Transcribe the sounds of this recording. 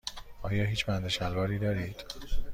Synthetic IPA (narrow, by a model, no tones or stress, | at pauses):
ɒːjɒːɦiːt͡ʃʰbænd̪eʃælvɒːɾiːd̪ɒːɾiːd̪̥